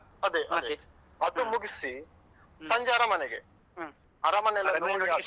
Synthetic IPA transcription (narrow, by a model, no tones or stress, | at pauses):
ɐd̪eʔɐd̪e | ɐd̪umuɡisi | sɐɲd͡ʒaːɾɐmɐneɡḛ | ɐɾɐmɐnɐlːɐnoːɳia